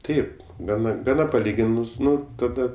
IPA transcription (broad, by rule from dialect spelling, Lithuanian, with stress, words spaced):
ˈtɐɪp ˈɡɑːnɐ ɡɐˈnɐ pɐˈlʲiːɡʲɪnʊs ˈnʊ ˈtɑːdɐ